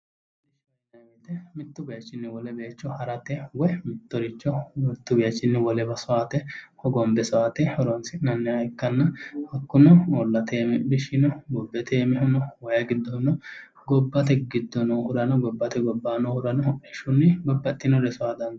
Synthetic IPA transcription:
bɪʃ | nɐɡeːt̪ɛmɪt̪ːʊbɪjɐt͡ʃːɪnːɪwɔlɛbeːt͡ʃːɔhɐɾɐt̪ɛwɔjmɪt̪ːɔɾɪt͡ʃːɔmɪt̪ːʊbɪjɐt͡ʃːɪnːɪwɔlɛbɐsɔaːt̪ɛhɔɡɔmbɛsɔaːt̪ɛhɔɾɔnsɪnɐnːɛɐjkːɐnːɐhɐkːʊnɔɔlːɐt̪ʰeːmɪbɪʃɪnɔɡɔbːɛt̪ʰeːmɪɦʊnɔwɔjɐɡɪd̪ːɔnɔ | ɡɔbːɐt̪ɛɡɪd̪ːɔnɔhʊɾɐnɔɡɔbːɐt̪ɛɡɔbːaːnɔhʊɾɐnɔɛʃʊnːɪbɐbːɐt̪ʼːɪnɔdɛsɔad̪ɐn

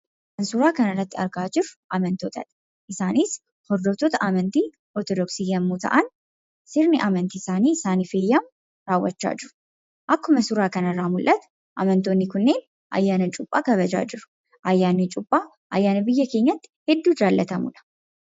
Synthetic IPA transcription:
ʔɐnsʊɾaːkɐnɐrːɐt̪ːɪɐɾɡaːd͡ʒɪɾʊʔɐmɐnt̪oːt̪ɐ̰ᶑɐ̥ | ʔɪsaːniːs | hɔɾd̪ɔt̪oːt̪ɐʔaːmɐnt̪iː | ʔɔɾt̪ɔd̪ɔksiːjɐmːuːt̪ɐ̰ʔɐn | sɪɾnɪʔaːmɐnt̪iːɪsaːniːɪsaːniːfeːjːam | ɾaːwːɐt͡ʃːa̰ːd͡ʒɪɾʊ̥ | ʔɐkːʊmɐsʊɾaːkɐnɐrːaːmʊlʔɐt̪ | ʔɐ̰mɐnt̪oːnːɪkʊnːe̞ːn | ʔɐ̰jːaːnɐt͡ʃʼʊpʼːaːɡɐβɐd͡ʒa̰ːd͡ʒɪɾʊ̥ | ʔɐjːaːnːɪt͡ʃʼʊpʼːaː | ʔɐjːaːnɐbɪjːɐke̞ːɲːɐt̪ːɪ̥hɛd̪ːuːd͡ʒaːlːɐt̪ɐmʊ̰ᶑɐ̥

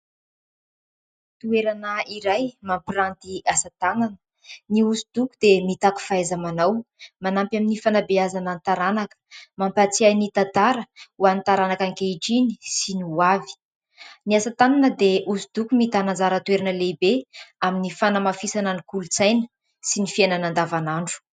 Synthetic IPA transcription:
t̪ueɾanəiɾajmampirant̪iasat̪ananə̥ | niuzud̪̥ukud̪emit̪aku̥faajzamanawmanampjaminifanabeazanant̪aɾanakə̥mampat͡siajnit̪at̪aɾəuanit̪aɾanakaŋkeiʈ͡ʂini̥sinuavi̥ | niasat̪ananəd̪eʔuzud̪ukumit̪anand͡zaɾət̪weɾanəlebeaminifanamafisananikulut͡sajnə̥ | sinifienanand̪avanaɳɖ͡ʐu̥

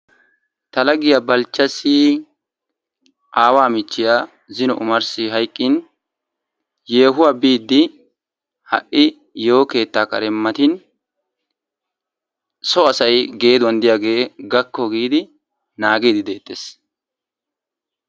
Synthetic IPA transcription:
t̪ɐlɐɡɪjabɐlt͡ʃːɐsi | ʔaːwaːmɪt͡ʃːɪjaː | zɪnɔʔʊ̰mɐɾsɪɦɐjkʼːɪn | jeːɦʊwabiːd̪ːɪ | hɐ̰ʔʔɪ | joːke̞ːt̪ːaːkʼɐ̰ɾɛmːɐt̪ɪn | sɔɐsɐjɡe̞ːd̪ʊwɐnd̪ɪjaːɡe̞ːɡɐkːɔɡiːd̪ɪ | naːɡiːd̪ɪd̪e̞ːt̪ʼːeːs

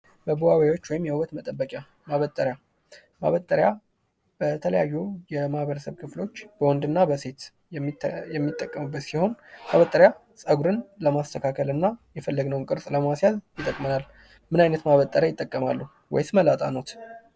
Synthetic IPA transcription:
bəbuwawajo̞t͡ʃːwɔjɪmjɛwət̪mət̪ʼəbːəkʼja | maβət̪ʼːəɾja | ma̰βət̪ʼːəɾja | b̥ət̪ʰələjajːujɛmahβəɾəsəβkʰɨflo̞t͡ʃːb̥əwɔnd̪ɨnːabəse̞t̪ | jɛmːit̪ʼːəkʼːəmɨbːət̪siho̞naβət̪ʼːəɾja | sʼəɡuɾɨnləmast̪ʰəkʰakʰəlɨnːajɛfəlːəɡnəwnkʼɨɾsʼləmasjazjɪt̪ʼːəkʼmənal | mɨnajnət̪maβət̪ʼːəɾjajɪt̪ʼːəkʼːəmalːu | wɔ̰jsməlat̪ʼa̰no̞t̪

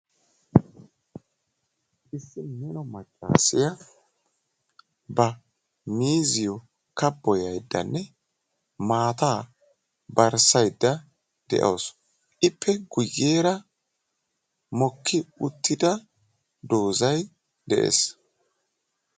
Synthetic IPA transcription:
ʔɪsːɪmɛnɔmɐt͡ʃʼːa̰ːsɪjɐ | bɐ | miːzɪjɔ | kɐbːɔjɐjd̪ːɐ̰nːɛ | maːt̪aː | bɐɾsɐjd̪ːɐ | d̪ɛ̰ʔo̰ːs | ʔɪpʰːɛɡʊjːeːɾɐ | mɔkːɪʊt̪ːɪd̪ɐ | d̪o̞ːzɐj | d̪ɛʔḛːs

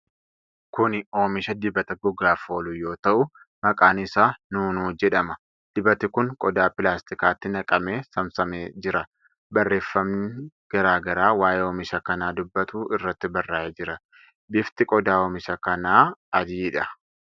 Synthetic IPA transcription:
kʊno̞ːmɪʃɐd̪ɪbɐt̪ɐɡʊɡaːfo̞ːlʊjo̞ːt̪ɐʔʊ | mɐkʼaːnɪsaːnuːnuːd͡ʒɛᶑɐmɐ | d̪̥ɪbɐt̪ɪkʊŋkʼɔd̪aːpɪlaːst̪ɪkaːt̪ːɪnɐkʼɐme̞ːsɐmsɐmeːd͡ʒɪɾɐ | bɐrːe̞ːfːɐmnɪ | ɡ̥ɐɾaːɡɐɾaːwaːʔeoːmɪʃɐkɐnaːd̪ʊbːɐt̪uːɪrːɐt̪ːɪbɐrːaːʔeːd͡ʒɪɾɐ | bɪft̪ɪkʼɔd̪aːoːmɪʃɐkɐnaːɐd̪iːᶑɐ

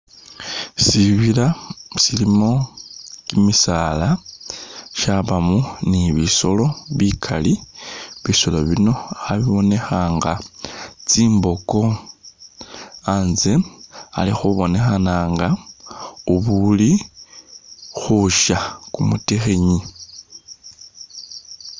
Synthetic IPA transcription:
siβilasilimo̞kimisaːla | ʃaβamuniβiso̞lo̞βikʰaliβisoloβino̞aβiβo̞ne̞xaːŋɡa | t͡siːmbo̞ko̞ | anzea̰lixuβo̞ne̞xanaːŋɡa | uβuli | xuʃakumutexe̞ɲi

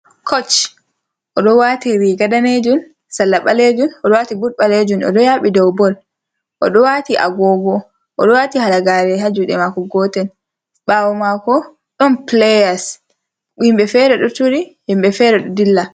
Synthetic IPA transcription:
kʰɔt͡ʃ | ʔɔɗɔwatiɾiɡadaned͡ʒun | salːaɓaled͡ʒunɔɗɔwatibuɾɓaled͡ʒunɔ̰dɔjaɓidɔwbɔl | ʔɔ̰ɗɔwatiʔa̰ɡɔɡɔ | ʔɔɗɔwatihalaɡaɾɛhad͡ʒuɗɛmakɔɡɔːtɛn | ɓawɔmakɔ | ɗɔnplɛjas | himbɛfɛɾɛɗɔtuɾihimɓɛfɛɾɛɗɔdilːa

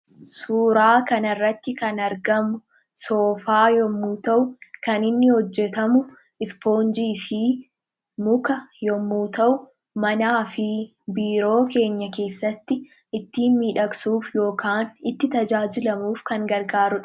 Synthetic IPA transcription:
suːɾaːkɐnɐrːɐt̪ːɪkɐnɐɾɡɐmʊ | so̞ːfaːjɔmːuːt̪ɐʔʊkɐnɪnːɪhɔd͡ʒːɛt̪ɐmʊ | ɪspo̞ːnd͡ʒiːfɪ | mʊkɐjɔmːuːt̪ɐʔʊ | mɐnaːfɪ | biːɾo̞ːke̞ːɲːɐke̞ːsːɐt̪ːɪ | ʔɪt̪ːiːnmiːᶑɐksuːfjo̞ːkʰaːnɪt̪ːɪt̪ɐd͡ʒaːd͡ʒɪlɐmuːfkɐŋɡɐɾɡaːɾʊᶑ

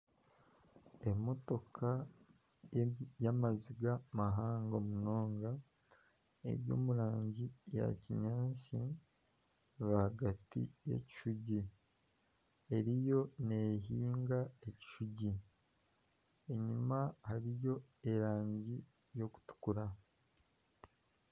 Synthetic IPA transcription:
e̞mo̞to̞kʰa | jamaziɡamaɦaːŋɡomuno̞ːŋɡa | e̞̰ɾjo̞̰ːmuɾaːɲɟija̰ciɲaːʃi | βahaɡatḭje̞̰ci̥ʃuɟi | e̞ɾijo̞ne̞ɦiːŋɡaeci̥ʃuɟi | e̞ɲumahaɾijo̞e̞ɾaːɲɟi | jo̞ku̥tu̥kuɾa

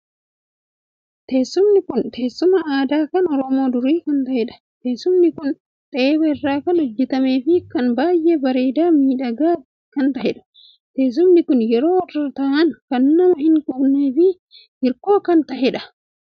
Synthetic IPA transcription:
t̪eːsːʊmnɪkʊnt̪ʰe̞ːsːʊmɐaːd̪aːkɐnɔɾɔmo̞ːd̪ʊɾiːkɐnt̪ɐhɛᶑɐ̥ | t̪eːsʊmnɪkʊn | t̪ʼeːbɐɪrːaːkɐnɔd͡ʒːɛt̪ɐme̞ːfɪkɐnbaːjʔeːbɐɾe̞ːd̪aːmiːᶑɐɡaː | kɐnt̪ɐhɛᶑɐ̥ | t̪e̞ːs̬ʊmnɪkʊnjɛɾo̞ːrɐt̪ɐʔɐnkɐnːɐmɐhɪŋkʼʊbne̞ːfɪ | hɪɾko̞ːkɐnt̪ɐhɛᶑɐ

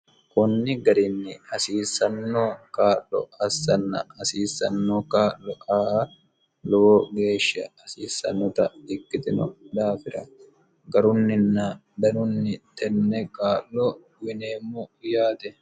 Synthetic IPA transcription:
kʊnːɪɡɐɾɪnːɪɐsiːsɐnːoːkaːʔlɔ̰ɐsːɐnːɐ̰ɐsiːsːɐnːoːkaːʔːɔʔaː | lɔoːɡe̞ːʃːɐɐsiːsːɐ̰nːɔt̪ɐɪkːɪt̪ɪnɔd̪aːfɪɾɐ | ɡɐɾʊnːɪnːɐ | d̪ɐnʊnːɪt̪ɛnːɛkaːʔlːɔ | wɪneːmːʊʊjaːt̪ɛ

